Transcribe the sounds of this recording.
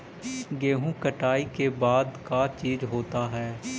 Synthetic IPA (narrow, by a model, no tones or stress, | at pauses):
ɡeːɦũːkəʈaːikebaːd̪kat͡ʃiːzɦoːt̪aɦɛː